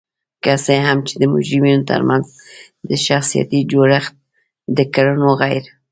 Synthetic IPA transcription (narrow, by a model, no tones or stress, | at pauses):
kaseɦamt͡ʃed̪əmʊ̰d͡ʒɾiminot̪ə̰ɾmanz | d̪əʃaxsija̰t̪id͡ʒoɾaxt̪̚ | d̪əkaɾənoɣajɾ